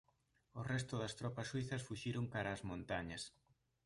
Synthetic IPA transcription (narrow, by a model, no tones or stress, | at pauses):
ʊrɛst̪ʊðɐst̪ɾɔpɐsːwiθɐsfuʃiɾoŋkaɾaːzmõnt̪aɲɐs